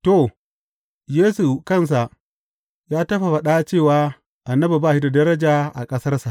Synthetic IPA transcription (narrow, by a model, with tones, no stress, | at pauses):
to˨ | jeː˦su˨kɐ˦˨ns̬a˨ʔ | jaː˦tɐ˦ɸa˨ɸɐ˨ɗa˦t͡ʃeː˦˨waː˦ | ʔa˨nːɐ˦bu˨baː˦˨hi˦da˨dɐ˦ɾɐ˦d͡ʒaː˨ʔa̰˨kʼɐ˦sɐ˦rsa˨ʔ